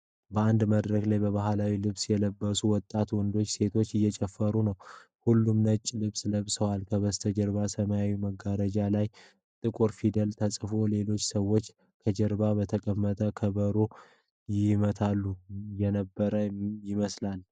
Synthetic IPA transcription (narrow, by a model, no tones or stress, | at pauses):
bəand̪məd̪ɾəɡlajbəβahlawilɨβsjɛləbːəsuwɔt̪ʼːat̪wɔnd̪o̞t͡ʃːse̞t̪ʰo̞t͡ʃːɪjːɛt͡ʃʼɛfːəɾunəw | hulːumnət͡ʃʼːlɨβsləβsəwalkʰəβəst̪ʰəd͡ʒəɾβasəməjawiməɡːaɾəd͡ʒalaj | t̪ʼɨkʼuɾfid̪əlt̪ʰəsʼfole̞lo̞t͡ʃːsəwːo̞t͡ʃː | kʰəd͡ʒəɾbabət̪ʰəkʼəmːət̪ʼəkʰəbəɾo | jɪmət̪ʰalːujɛnəbːəɾəjɪməslal